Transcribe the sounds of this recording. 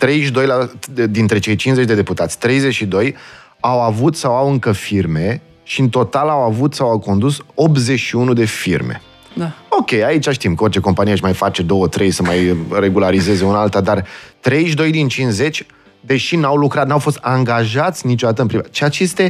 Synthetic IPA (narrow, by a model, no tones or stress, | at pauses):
t̪ɾe̞jʃd̪o̞jlad̪int̪ɾe̞t͡ʃe̞jt͡ʃinzet͡ʃʲd̪e̞d̪eput̪at̪sʲt̪ɾe̞jzet͡ʃʃid̪o̞j | awavut̪sawawɨŋkəfirme̞ | ʃiɨnt̪o̞t̪alawavut̪sawawko̞nd̪uso̞p̪ze̞t͡ʃʃiunud̪e̞firme̞̰ | ao̞kʲe̞jait͡ʃaʃt̪imkəo̞rt͡ʃe̞ko̞mpanieɨʃmajfat͡ʃe̞d̪o̞wət̪ɾe̞jsəmajre̞ɡulaɾize̞ze̞unaalt̪ad̪art̪ɾe̞jʃd̪o̞jd̪int͡ʃinsze̞t͡ʃʲ | d̪e̞ʃinawlukɾat̪nawfo̞st̪aŋɡaʒat̪sʲnit͡ʃod̪at̪əɨnpɾiat͡ʃeat͡ʃest̪e̞